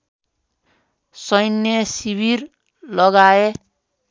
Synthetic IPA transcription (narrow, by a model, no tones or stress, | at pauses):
sʌjnjʌsibir | lʌɡae